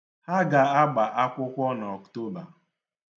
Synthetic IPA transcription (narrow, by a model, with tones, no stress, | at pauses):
ha˦ɡa˨a˦ɡ͡ba˨ʔa˦kʷʊ˦kʷɔ˦n˨ɔ˨kto˦ba˨